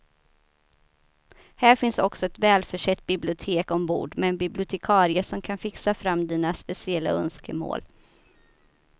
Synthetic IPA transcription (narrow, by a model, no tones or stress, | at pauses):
hæːɾfɪnsɔksɔɛt̪vɛːlfœʂɛt̪̚ːbɪblɪʊt̪ʰeːkɔmbṵːɖmɛːnbɪblɪʊt̪ʰɛkʰɑːɾɪəʂɔmkʰanfɪksafɾamːd̪iːnaspɛsɪɛlːa̰œ̰nskəmo̰ːl